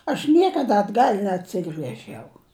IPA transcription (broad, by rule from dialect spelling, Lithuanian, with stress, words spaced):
ɐʃ ˈnʲiɛkɐdɐ ɐdˈɡɐlʲ nʲɛɐtʲˈsʲɪɡrʲɛʒʲɛʊ